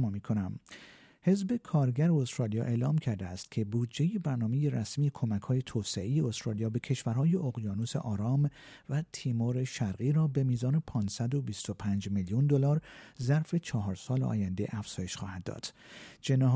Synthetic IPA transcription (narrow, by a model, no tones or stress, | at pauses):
miːkʰonæm | he̞zbe̞kʰɒːɾɟæɾeost̪ɾɒːlijɒ̰ːʔe̞ːlɒːmcʰæɾd̪eæst̪cʲʰe̞buːd̪d͡ʒe̞jebæɾnɒːme̞je̞ɾæsmiːjekʰo̞mækʰhɒːje̞t̪ʰoːseʔejeost̪ɾɒːlijɒːbe̞cʰe̞ʃvæɾɦɒːje̞ʔoɣjɒːnusḛʔɒːɾɒːm | væt̪ʰiːmoːɾe̞ʃæɾɣiːɾɒːbe̞miːzɒːne̞pʰɒːnsæd̪o̞bist̪o̞pʰæːnd͡ʒmiljund̪olɒːɾzæɾfe̞t͡ʃʰɒːɦɒːɾsɒːleʔɒ̰ːjænd̪e̞̰ʔæfz̥ɒːje̞ʃxɒ̰ːhæd̪ːɒ̰ːd̪̥ | d͡ʒe̞nɒːɦ